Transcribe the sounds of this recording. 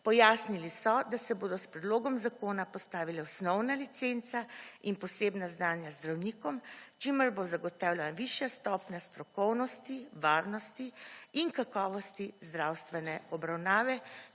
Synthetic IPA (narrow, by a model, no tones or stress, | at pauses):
pɔjaːsnilisɔd̪asɛboːd̪ɔspɾɛd̪loːɡɔmzakoːnapɔst̪aːʋilɛɔsnɔwnalit̪sent̪sainpɔseːbnaznaːnjazd̪ɾawniːkɔmt͡ʃiməɾbozaɡɔt̪aːwlʲaʋiʃjast̪ɔːpnast̪ɾɔkɔwnɔst̪iʋaːɾnɔst̪iiŋkakɔːʋɔst̪izd̪ɾawst̪ʋɛnɛɔbɾawnaːʋɛ